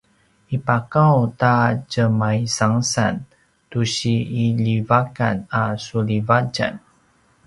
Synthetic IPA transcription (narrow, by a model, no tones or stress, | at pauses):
ipakawtad͡ʒəmaisaŋsa̰n | tuɕiːlivakanasulivad͡ʒa̰n